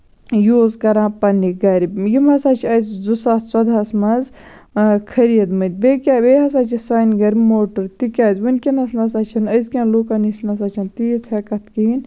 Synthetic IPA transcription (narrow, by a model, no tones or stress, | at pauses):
joːzkɐɾãːpɐnːiɡɐɾibjimɦɐsaːt͡ʃʰiɐjzd͡zusaːst͡sɐd̪ɐsmɐz | kʰɐɾijɐd̪mɐnt̪̚ʲbeːkʲaːbeːɦɐs̬aːt͡ʃʰisaːnɡɐɾʲmoːʈɨɾt̪ikʲaːzʋɐnʲkʲinɐsmɐsaːt͡ʃʰɐnɐjzkʲãːluːkɐnisnɐsaːt͡ʃʰɐnt̪ijt͡sʰɐkɐt̪ʰkiin